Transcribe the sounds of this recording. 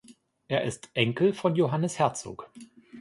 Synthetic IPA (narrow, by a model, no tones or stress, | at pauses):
ʔeːɐʔɪstʔɛŋkl̩fɔnjoɦanəshɛɐt͡so̰ːk